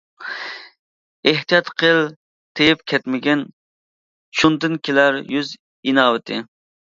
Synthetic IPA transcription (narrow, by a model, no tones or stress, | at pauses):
eht̪ijɑt̪qʰəlˠ | t̪ʰejp̚kʲʰɛt̪mɪɡʲɛn | ʃʰund̪ɨnkʲʰelæɾjyz | inɑːwɪt̪ʰɪ